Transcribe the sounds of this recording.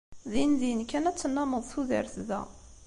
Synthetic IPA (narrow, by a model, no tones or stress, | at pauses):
ðinðinkːænæt͡sːənːæməðˤθuðə̰ɾθðæ̰